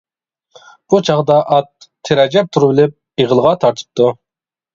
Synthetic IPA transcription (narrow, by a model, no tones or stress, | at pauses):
b̥ut͡ʃʰɑʁd̪ɑʔɑt̪ʰːeɾɑd͡ʒɛp̚t̪ʰuɾɨbɪlɪp̚ | eʁəlˠəʁɑt̪ʰɑɾt̪ʰə̥p̚t̪u